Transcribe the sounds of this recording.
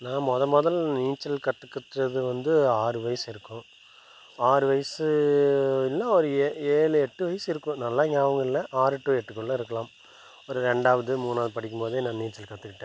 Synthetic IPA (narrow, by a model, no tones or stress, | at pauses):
nãːmɔðɐmɔðɐlniːt͡ʃːɐlkɐt̪ːɯkːɯt̪ːɾɐðɯʋɐnd̪ɯaːɾɯʋɐjɐsɪɾɯkːʊ̃ | aːɾɯʋɐjɐsɯ | ɪlːãːɔɾɯeːɭɯɛʈːɯʋɐjɐsɪɾɯkːʊ̃nɐlːaːɪŋɡɐːʋɐŋɡɐɪlɐʔaːɾɯʈːuːɛʈːɯkːɔɭːlːɐɪɾɯkːɐlãːm | ɔɾɯɾɛɳɖaːʋɐðɯmuːnaːðɯpɐɽɪkːɯmpoːðeːnãːniːt͡ʃːɐlkɐt̪ːɯkːɪʈːẽː